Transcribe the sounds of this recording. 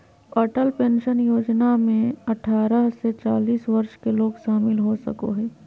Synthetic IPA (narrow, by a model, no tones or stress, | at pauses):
ɔːʈəlpẽːnʃənjoːd͡ʒnamẽɐʈʰaːɾəɦset͡ʃaːliːsʋɐɾʃkeloːɡʃaːmɪlɦosə̰ko̰ɦɛː